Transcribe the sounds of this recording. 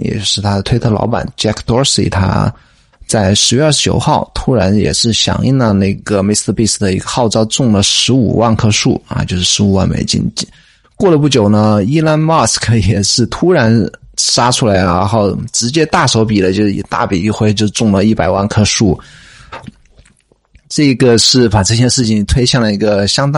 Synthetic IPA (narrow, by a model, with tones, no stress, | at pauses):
jɛ̰˨˩t͡ɕʂɻ̩˥˩t̪ʰa˥d̪ə˩t̪ʰwe˥˧t̪ʰɤ˥˩lɑ̰˧˥ʊpa̰˨˩˦nt͡ɕja˥kʰt̪ɔ˥sḭ˨˩t̪ʰa̰˥ | t͡sa˥˩ɪʂɻ̩˧˥ɥɛ˥˧ə˞˥˩t͡ɕjo̰˨˩ʊxɑ˥˩ʊt̪ʰu˥ɻa˧˥njɛ̰˨˩ʂɻ̩˥˩ɕjɑ̰˨˩ŋi˥˩nd̪ə˧na˥˩ɪɡə˩mi˥˩spi˥˩sd̪ə˩i˧˥ɡə˧xɑ˥˧ʊʈ͡ʂɑ˥ʊt͡sʊ˥˩ŋlə˩ʂɻ̩˧˥ṵ˨˩wa˥˩nkʰɤ˥ʂu˥˩ɐ̰˧t͡ɕjo˥˧ʊʂɻ̩˥˩ʂɻ̩˧˥u˨˩wa̰˥˩nmḛ˨˩ɪt͡ɕḭ˥nt͡ɕi˥ | kwɔ˥˩lə˩p̬u˥˩t͡ɕjo˨˩ʊnə˦i˥la˥nmɑ˥˩skʰə˧˩jɛ˨˩ʂɻ̩˥˩t̪ʰu˥ɻa˧˥nʂa˥ʈ͡ʂʰu˥la˧˥ɪɻa̰˧˥xo˥˩ʊʈ͡ʂɻ̩˧˥t͡ɕjɛ˥t̪a˥˩ʂo˧˥ʊpi˨˩lə˦t͡ɕjo˥˧ʊʂ̩˥˩ḭ˨˩t̪a̰˥˩pi˨˩i˥˧xwe˥˧ɪt͡ɕjo˥˧ʊʈ͡ʂʊ˥˩ŋlə˩i˥˩pa˨˩ɪwa˥˩nkʰɤ˥ʂu˥˩ | ʈ͡ʂɤ˥˩ɡə˩ʂɻ̩˥˩pa˨˩ʈ͡ʂɤ˥˧ɕ̬jɛ˥ʂɻ̩˥˩t͡ɕʰi˨˩ŋt̪ʰwe˥ɪɕjɑ˥˩ŋlə˩i˧˥ɡə˧ɕjɑ˥ŋt̪